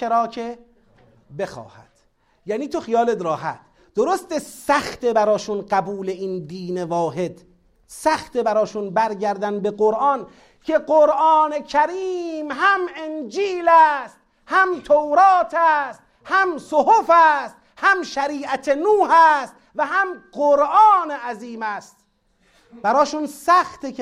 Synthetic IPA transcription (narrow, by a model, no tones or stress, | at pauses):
eɾɒːkʰe | be̞xɒ̰ːhæ̰d̪̥ | jæːniːt̪ʰoxijɒːled̪ɾɒːɦæ̰t̪̚ | d̪̥oɾost̪esæxt̪ebæɾɒːʃunɢæbuːle̞ind̪iːnevɒːɦe̞d̪ | sæxt̪ebæɾɒːʃunbæɾɟæɾd̪ænbeɡoɾʔɑn | kʰe̞ɡoɾʔɒːne̞kʰæɾiːmɦæmend͡ʒiːlæst̪̚ | hæmt̪ʰowɾɒːt̪ʰæst̪̚ | hæmsohofæːst̪ | hæmʃæɾiːʔæt̪ʰenuːhæːst̪ | væɦæmɢoɾʔɒːneʔæziːmæːst̪̚ | b̥æɾɒːʃunsæxt̪e